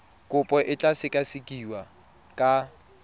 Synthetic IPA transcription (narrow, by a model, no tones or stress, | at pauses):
kʼʊpʼɔʔɪt͡ɬʼasɪkʼasɪkʼiwa | kʼa